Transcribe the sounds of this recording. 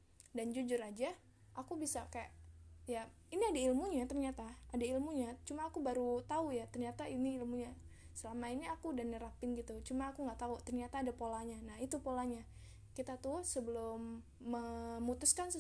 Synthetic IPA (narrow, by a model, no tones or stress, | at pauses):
dand͡ʒud͡ʒʊrad͡ʒa | ʔakubisakajaʔja | iniadailmuɲat̪ərɲat̪aadailmuɲat͡ʃumaːkubaɾut̪aujat̪ərɲat̪ainiilmuɲa | səlamainiakudanəɾapɪnɡit̪ut͡ʃumaːkuŋɡaʔt̪aut̪ərɲat̪aːdapolaɲanaɦit̪upolaɲa | kit̪at̪usəbəlʊmː | əmut̪ʊskans